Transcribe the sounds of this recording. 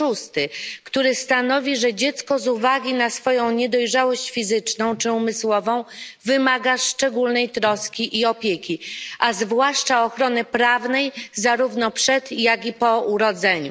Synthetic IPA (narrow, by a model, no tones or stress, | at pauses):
ʂust̪ɘkt̪uɾɘst̪anɔvʲiʐɛd͡ʑɛt̪skɔzuvaɡʲinasfɔjɔ̃w̃ɲɛd̪ɔjʐawɔɕt͡ɕfʲizɘt͡ʂnɔ̃w̃t͡ʂɘumɘswɔvɔ̃w̃vɘmaɡaʂt͡ʂɛɡulnɛjt̪ɾɔskʲiʔiɔpʲjekʲiazvwaʂt͡ʂaɔxɾɔnɘpɾavnɛjzaɾuvnɔpʂɛt̪jaɡʲipɔuɾɔd̪zɛɲu